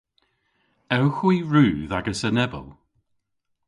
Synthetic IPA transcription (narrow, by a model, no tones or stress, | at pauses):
ɛwxwiːɹuːðaɡəsənɛbə̰lˠ